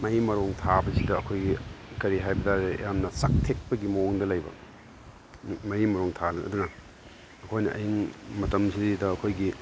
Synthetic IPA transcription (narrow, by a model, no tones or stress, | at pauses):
mɐjmɐɾoŋtʰabɐsidɐɐkʰojɡikɐɾiɦajbɐdaɾejamnɐsak̚tʰek̚pɐɡimoŋdɐlɐjbɐ̰ | mɐimɐɾoŋtʰalɐn̰ɐ̰dunɐ | ɐkʰojnɐ̰ʔɐ̰jiŋmɐtɐmsididɐːkʰojɡi